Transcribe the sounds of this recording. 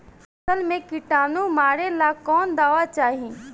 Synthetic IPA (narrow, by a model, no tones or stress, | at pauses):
səlmẽkɪʈaːnũmaːɾelaːkɔːnd̪aːʋat͡ʃaːɦĩː